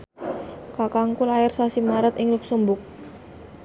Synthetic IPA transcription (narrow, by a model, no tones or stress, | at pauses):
kakaŋkulaɪrsasimaɾət̪ɪŋluk̚sumbʊk̚